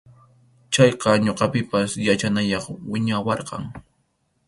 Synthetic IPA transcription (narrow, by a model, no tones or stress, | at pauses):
t͡ʃɑjqɑɲoqɑpɪpasjat͡ʃanajɑχwɪɲawɑɾqɑ̰ŋ